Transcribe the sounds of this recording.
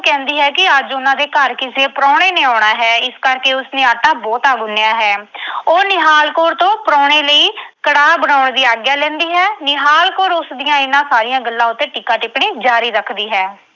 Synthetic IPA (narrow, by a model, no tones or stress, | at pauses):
kɛ̃ːnd̪iːɦɛːkɪəd͡ʒʊnãːd̪eːkəɾkɪsieːpɾɔːɽeːneːaːɽaːɦɛːɪskəɾkeːʊsneːaːʈaːbɔːt̪aːɡʊnːejaːɦɛːoːnɪɦaːlkoːɾt̪õːpəɾɔːɽeːləiːkəɽaːbənaːʊɳd̪iːaːɡjaːlɛ̃ːnd̪iːɦɛːnɪɦaːlkoːɾʊsd̪ijãːɪnːãːsaːɾɪjãːɡəlːãːʊt̪ːeːʈiːkaːʈɪpɽiːd͡ʒaːɾiːɾəkʰd̪iːɦɛː